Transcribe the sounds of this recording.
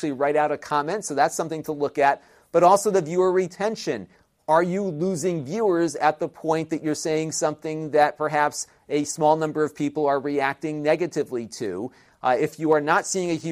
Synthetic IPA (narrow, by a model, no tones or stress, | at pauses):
l̩ˠiɹaɪɾaʊɾɨkʰɑmɛ̃ntsoʊðætsʌ̃mθɪ̃ŋtʰəlʊkɨt̚ | b̥ʌɾɔlˠsoʊðɨvjʉʌvɹitʰɛ̃nʃɨ̰̃n | ə˞jɨluzɪ̃ŋvjʉə˞zɨt̪̚ðəpʰɔ̃ɪ̃nðɨt͡ʃə˞seɪɪ̃ŋsʌ̃mθɪ̃ŋðɨt̚pʰə˞ɦæps | ɨsmɔlˠnʌ̃mbə˞ʌv̥pʰipl̩ˠə˞ɹiæk̚tɪ̃ŋnɛɡɨɾɨvlitʰʉ̰ | ɪfjɨə˞nətsiɪ̃ŋɨhjʉ